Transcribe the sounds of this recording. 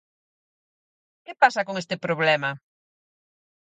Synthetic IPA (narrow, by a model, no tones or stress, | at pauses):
kepasɐkoŋest̪ɪpɾoβlɛmɐ